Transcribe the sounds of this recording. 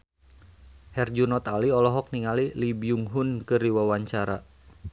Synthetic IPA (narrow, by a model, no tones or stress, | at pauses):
hɛrd͡ʒunɔt̪aliɔlɔɦɔk̚niŋalilibiuŋɦunkɨrdiwawaɲt͡ʃaɾa̰